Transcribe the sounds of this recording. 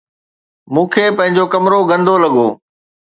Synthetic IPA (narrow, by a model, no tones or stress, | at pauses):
mũːkʰeːpɐ̃ɦɪ̃ɲd͡ʑokɐmɾoɡɐ̃nd̪ʱolɐɠoː